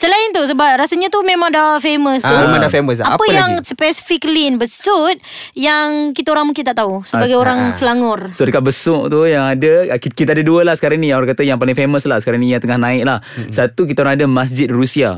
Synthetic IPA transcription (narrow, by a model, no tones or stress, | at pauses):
səlaɪnt̪us̬əbap̚rasaɲat̪umẽmaŋdafeməsuemãdafeməsapəjaŋsəpɛsi̥fiklinbəsut̪̚jaŋkit̪aoɾaŋmũŋkint̪aʔt̪ausəbaɡajoɾaŋsəlaŋʊrsodəkaʔ̚bəsʊʔt̪ujaŋadəkkit̪adaduəlahsə̥kaɾaŋnijaŋoɾaŋkat̪ajaŋpalɪŋfeməslahsəkaɾaŋnijaŋt̪əŋahnaɪk̚lahsat̪uk̬it̪aoɾaŋadamas̬d͡ʒɪt̪̚rusia